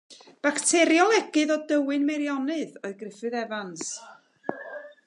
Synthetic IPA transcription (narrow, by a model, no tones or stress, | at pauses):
b̥aktʰɛɾjɔlˠɛɡɨðɔdəwɨnmɛɾjɔnɨðɔɨðɡrɪfɨðɛvans